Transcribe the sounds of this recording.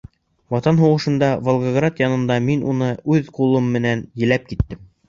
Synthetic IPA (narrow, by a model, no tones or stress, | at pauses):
wɑt̪ɑnɦuʁɤ̆ʃɤ̆nd̪ɑvolˠɡaɡrat̪jɑnɤ̆nd̪ɑminunɤʉðqulˠɤmːɘ̆nænjɘ̆læp̚kit̪ːɘm